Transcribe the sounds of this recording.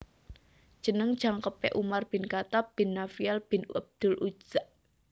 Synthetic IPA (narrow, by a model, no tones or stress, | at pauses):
d̥ʒ̥ə̤nəŋd̥ʒ̥a̤ŋkəpɛ̰ʔumarb̥ɪ̤nkat̪ab̥ɪ̤nːafialb̥ɪ̤nəb̚d̪̥ʊ̤lʔu̥ʒ̥aʔ